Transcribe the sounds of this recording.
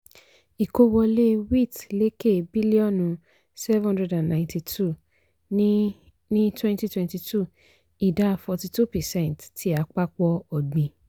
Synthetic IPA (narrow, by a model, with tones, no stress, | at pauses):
i˨ko˧wɔ˧le˦wi˦˨tle˨˦ke˦˨bi˦li˦ɔ̃˦˨nũ˧ | sɛ˦ṽhã˦dɛ˧dã˨nnã˨ɪ̃ntʰi˧tʰu˦˨ | nĩ˦twɛ̃˦nti˧twɛ̃˦nti˧tʰu˦˨ | i˨da˦˧fɔ˧ti˧tu˦˨pɛ˨sɛ̃˦˨ntti˨˦a˨˦k͡pa˦k͡pɔ˧ɔ˨ɡ͡bĩ˨